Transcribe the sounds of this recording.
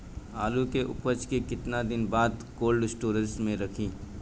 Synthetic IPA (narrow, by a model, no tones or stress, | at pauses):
aːlukeʔʊ̰pət͡ʃkekɪt̪nad̪ɪnbaːd̪koːlɖɪsʈoːɾə̃nsmẽɾɐkʰĩː